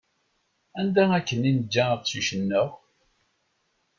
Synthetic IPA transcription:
ænd̪æækːənind͡ʒːæəðsuʃənːəʁ

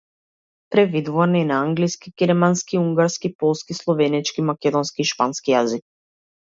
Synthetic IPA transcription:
pɾɛd̪vid̪vuaninaaŋɡliskiɡɛɾmanskiuŋɡaɾskipɔlˠskislˠɔvɛnit͡ʃkimakɛd̪ɔnskiːʃpanskijazik̚

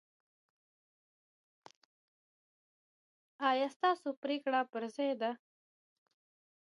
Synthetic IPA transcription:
ɑːjɑːst̪ɑːsopɾeːkɽapəɾzajd̪a

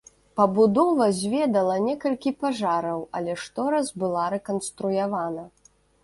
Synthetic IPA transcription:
pɐbud̪ɔvɐzʲvʲɛd̪ɐlˠɐnʲɛkɐlʲkʲipaʐaɾɐwɐlʲɛʂt̪ɔɾɐzbɨlˠaɾɛkɐnst̪ɾujavanɐ

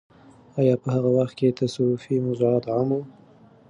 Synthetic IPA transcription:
ɑjɑpəhaɣawaxt̪̚ket̪ʰasofimʊzɑt̪ʕamu

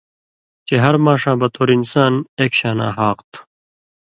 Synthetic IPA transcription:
t͡ɕeɦɐɾmaːʂãːbɐt̪oːɾinsaːneːkɕaːna̰ːɦaːqt̪ʰu̥

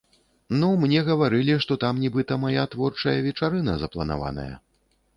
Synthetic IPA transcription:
numnʲɛɣɐvaɾɨlʲiʂt̪ɔt̪amnʲibɨt̪ɐmajat̪vɔrt͡ʂɐjɐvʲɛt͡ʂaɾɨnɐzɐplˠɐna̰va̰nɐ̰jɐ̰

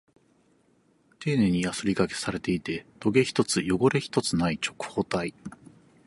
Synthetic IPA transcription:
t̪e̞ːne̞ɲ̟ijasɨɾʲikake̞̥saɾe̞t̪e̞it̪e̞d̪̥o̞ɡe̞çi̥t̪o̞t͡sɨjo̞ɡo̞ɾe̞çi̥t̪o̞t͡sɨnait͡ɕo̞kɯ̥ho̞ːt̪ai

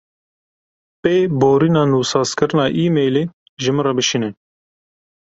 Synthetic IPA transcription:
peːboːɾinɑːnuːsɑːskɨɾɨnɑːʔiːmeːleː | ʒɨmɨɾɐbɨʃinɛ

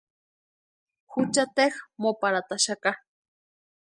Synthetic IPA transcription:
xʊt͡ʃat̪exmopaɾat̪aʃaka

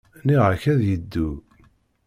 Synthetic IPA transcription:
niʁaçæðjəd̪ːu

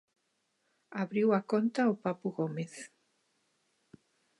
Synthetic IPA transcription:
aβɾiwakont̪aopapʊɣomeθ

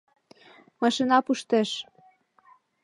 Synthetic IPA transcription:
mɑʃinɑpuʃt̪eʃ

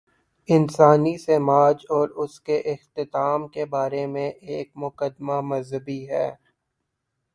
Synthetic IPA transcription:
ɪnsaːnisemaːd͡ʒɔːɾʊskeʔɪxt̪ɪt̪aːmkebaːɾemẽʔeːk̚mʊkəd̪mamɐzɦəbiɦɛː

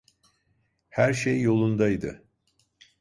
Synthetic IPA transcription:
hæɾʃejːo̞lˠund̪ajd̪ɯ

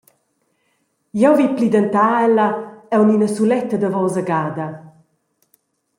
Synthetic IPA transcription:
jɛwviplid̪ənt̪aːɛlaɛwninəsulɛt̪ːɐd̪əvɔwzaɡaːd̪ɐ

